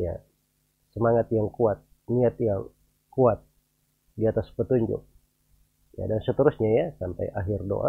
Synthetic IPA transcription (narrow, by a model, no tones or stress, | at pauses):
ja̰ | səmaŋat̪̚jaŋkuat̪̚ | niat̪jaŋ | kuat̪̚ | diat̪aspət̪uɲd͡ʒʊ̰k̚ | ja̰dansət̪əɾusɲajasampa̰jʔaɦɪrdo̰ʔa̰